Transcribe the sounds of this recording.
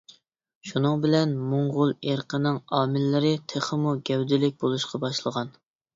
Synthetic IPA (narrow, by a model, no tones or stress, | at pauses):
ʃunɨŋbɪlɛnmoɴʁʊlˠeɾqənɪŋɑːmɪlːɪɾɪt̪ʰeχəmuɡʲɛwd̪ɪlɪk̚ʲbolˠuʃqʰɑbɑʃlˠəʁɑn